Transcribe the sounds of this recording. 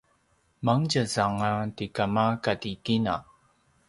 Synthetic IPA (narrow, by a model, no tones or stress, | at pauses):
maŋɟəzaŋatikamakatikina̰